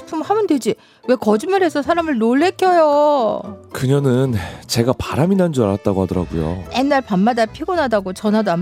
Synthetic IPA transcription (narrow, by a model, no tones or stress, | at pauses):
pʰumhamɯnde̞d͡ʑi | we̞kʌd͡ʑimaɾɦe̞sʰʌsʰaɾamɯɭnoɭːe̞k͈ʰjʌjo | kɯɲʌnɯnt͡ɕe̞ɡapaɾaminand͡ʑuaɾat̚t͈aɡohadɯɾa̰ɡujo̰enːaɭpamːadapʰiɡonɦadaɡot͡ɕʌnɦadam